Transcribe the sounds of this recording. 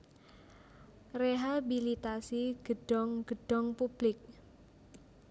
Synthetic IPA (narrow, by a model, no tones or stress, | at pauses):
reɦabilit̪asiɡ̥əɖ̥ɔŋɡ̥əɖ̥ɔŋpub̥lɪk̚